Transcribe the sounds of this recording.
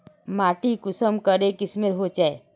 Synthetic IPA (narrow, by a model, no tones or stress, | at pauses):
maːʈikʊsəmkəɾekɪsmeɾɦot͡ʃae